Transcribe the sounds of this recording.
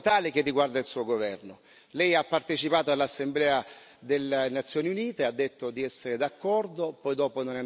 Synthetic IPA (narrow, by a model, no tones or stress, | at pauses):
t̪aːlɪk̟ɪrːiɡward̪ailsuːoɡovɛrno | lɛjapːart̪et͡ʃipaːt̪oalːasːemblɛːa | d̪elenat̪sːjɔːniuniːt̪ead̪ːet̪ːod̪iɛsːeɾɪd̪akːɔrd̪opɔjd̪ɔːpononɛ